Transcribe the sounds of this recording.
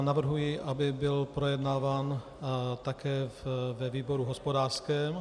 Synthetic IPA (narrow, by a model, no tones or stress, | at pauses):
navr̩ɦujiʔabɪbɪlpɾojɛdnaːvaːn | t̪akɛːvvɛviːboɾuɦospodaːrskɛːm